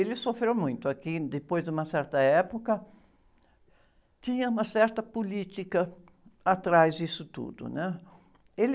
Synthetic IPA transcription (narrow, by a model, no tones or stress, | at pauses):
elɪsofɾewmũj̃t̪ʊakɪd̪epojzd̪ũmɐsɛɾt̪ɐɛpokɐ | t̪ĩɲɐũmɐsɛɾt̪ɐpolit͡ʃ̪ikɐ | at̪ɾajzd͡ʒ̪isʊt̪ṵd̪ʊ̰nɛ | el